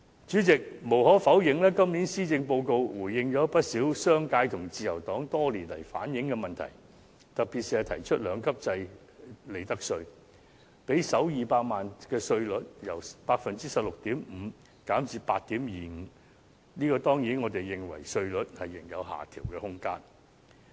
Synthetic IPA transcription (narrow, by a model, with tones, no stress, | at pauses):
t͡ʃyː˨˥t͡sɪ˨k̚mo˨˩wɦɔː˨˥fɐ˨˥wjɪ˨ŋlɛː˥kɐ˥mniː˨˥nsiː˥t͡sɪ˧ŋpo˧wko˧wwuː˨˩jːɪ˨ŋt͡ʃɔː˨˥pɐ˥t̚siː˨˥wsœː˥ŋkaː˧jt̪ʰʊ˨˩ŋt͡siː˨˧jɐ˨˩wt̪ɔː˨˥ŋt̪ɔː˥liː˨˩nlɐ˨˩jfa̰ː˨˥njɪ˨˥ŋkɛ˧mɐ˨nt̪ʰɐ̰˨˩j | t̪ɐ˨k̚pi˨t̚si˨˧hɐ˨˧t̪ʰɐ̰˨˩jt͡ʃʰɵ˥t̚lœː˨˧ŋkʰɐ˥p̚t͡sɐ˧j | le˨˩jt̪ɐ˥k̚sɵ˧ɥ | pe˨˥jsɐ˨˥wjiː˨paː˧k̚maː˨nkɛː˧sɵ˧ɥlɵ˨˥t̚jɐ˨˩wpaː˧k̚fɐ˨nt͡siː˥sɐ˨p̚lʊ˨k̚t̪iː˨˥mm̩˨˧ | kaː˨˥mt͡siː˨paː˧t̚t̪iː˨˥mjiː˨ŋ̩˨˧ | niː˥kɔː˧t̪ɔː˥ŋjiː˨˥nŋɔː˨˧t̪e˨jːɪ˨ŋwɐ̰˨˩jsɵ˧ɥlɵ˨˥t̚hɐ˨jːɪ˨˩ŋjɐ̰˨˧wɦa̰ː˨˩t̪ʰiː˨˩wkɛː˧hʊ˥ŋkaː˥n